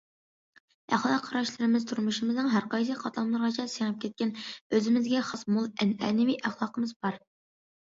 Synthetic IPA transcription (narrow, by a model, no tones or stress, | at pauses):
æχlˠɑqʰːɑɾɑʃlˠɨɾɨmɪzt̪ʰuɾmuʃɨmɨznɨŋɦæɾqɑjs̬ɨqʰɑt̪ʰɑmlˠɨɾʁɑt͡ʃʰɑseŋɨp̚kʲɛt̪̚kʲɛnøzɪmɪzɡʲɛχɑsmulˠɛnɛ̰ːnɪmiʔæχlˠɑːqəmɨzbɑɾ